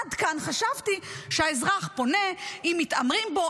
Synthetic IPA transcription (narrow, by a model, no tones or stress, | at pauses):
dkanχaʃavt̪iʃeaezʁaχpo̞ne̞imːitamʁimbo̞